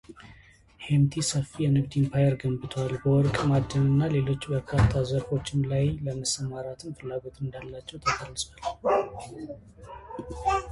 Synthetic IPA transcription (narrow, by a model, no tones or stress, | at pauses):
hemt̪ʰisəfːijɛnɨɡd̪inpʰajəɾɡəmbɨt̪ʰwalbəwɔɾkʼmad̪ːənɨnːale̞lo̞t͡ʃːbəɾkʰat̪ʰːazəɾfo̞t͡ʃːɪnlajləməsəmaɾat̪ʰɨnfɨlːaɡo̞t̪ɨnd̪alːat͡ʃːɛwt̪ʰək̪ʰalːɨsʼwal